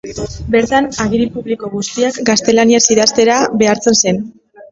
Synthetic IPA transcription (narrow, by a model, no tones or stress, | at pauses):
be̞ɾt̪anaɣiɾipuβliko̞ɣ̞ust̪iakɡast̪e̞laniasiðast̪e̞ɾaβe̞aɾt͡se̞nse̞n